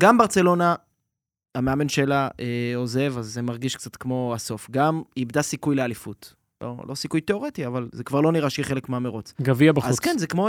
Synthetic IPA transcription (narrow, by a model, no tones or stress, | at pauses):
ɡambaʁt͡se̞lo̞na | ameame̞nʃelaeo̞ze̞vazːemaʁɡiʃkt͡sat̪kmo̞aso̞fɡamibd̪asikujlealifut | lʔo̰lo̞sikujteo̞ʁetiavalzekvaʁlo̞niʁaʃiχelekmeameʁut͡sɡaviabaazu̥kenzekmo